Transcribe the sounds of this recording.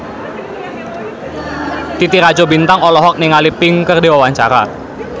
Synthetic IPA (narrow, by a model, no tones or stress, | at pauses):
t̪it̪iɾḁd͡ʒɔbint̪aŋɔlɔɦɔk̚niŋalipɪŋkərdewawaɲt͡ʃa̰ɾa̰